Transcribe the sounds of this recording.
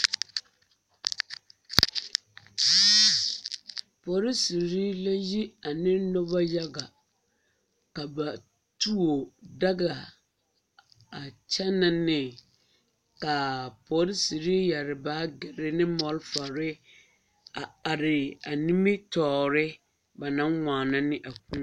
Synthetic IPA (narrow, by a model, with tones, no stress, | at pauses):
pɔ˨˦ɾɪ˦si˨ɾi˦la˦ji˦a˨nɪ˦nɔ˦ba˦ja˦ɡa˨ | ka˨ba˨ | tu˦o˨da˦ɡa˨ | a˨t͡ʃɛ˦na˦nɪ˨ | ka˨pɔ˨˦ɾɪ˦si˨ɾi˦ja˨ɾɪ˨baː˦ɡɪ˨ɾɪ˦nɪ˦mɔ˨lfa˨ɾɪ˦ | a˨a˨ɾɪ˨a˨ni˦mi˦tɔː˨ɾɪ˦ | ba˨nã˦ŋŋʷaː˨na˦nɪ˦ʔa˨kũ˦